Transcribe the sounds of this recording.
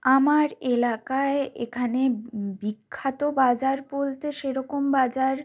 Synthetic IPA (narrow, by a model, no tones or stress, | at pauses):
amaɾelakaeḛkʰanebikʰːat̪obad͡ʑaɾbolt̪eʃeɾɔkombad͡ʑaɾ